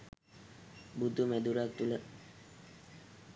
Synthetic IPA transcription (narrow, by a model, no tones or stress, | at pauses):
bud̪umæd̪uɾak̚t̪ulə